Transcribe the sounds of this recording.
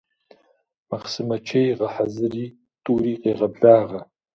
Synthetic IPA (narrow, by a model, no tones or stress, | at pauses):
maχsɨmɐt͡ʃʰejʁɐħazɨriː | tʼuːriːqeːʁɐbɮaːʁɐ